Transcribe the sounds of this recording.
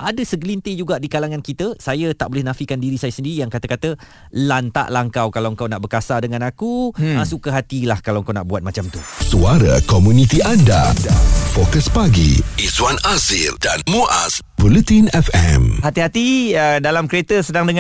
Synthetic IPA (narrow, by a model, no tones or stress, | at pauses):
ʔadəsəɡəlint̪ɪd͡ʒuɡaʔdikalaŋãnkit̪əsajət̪aʔbolɪhnãfikandiɾisajəsəndiɾijaŋkat̪əkat̪ə | lant̪a̰ʔlahəŋkawkalawəŋkawnaʔbərkasadəŋanakuəsukəɦat̪ilahkalawəŋkawna̰ʔbuat̪̚mat͡ʃamt̪usuaɾakomunit̪iandafokəspaɡḭiswanazild̥anmuʔa̰s | vulut̪inɛfɛ̰mhat̪iɦat̪iədalamkəɾet̪əsədaŋdəŋã